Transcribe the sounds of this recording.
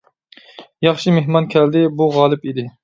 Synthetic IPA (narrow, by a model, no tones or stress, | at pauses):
jɑχʃɪmeɦmɑnkʲʰɛld̪ɪbuʁɑlˠɨpid̪ɪ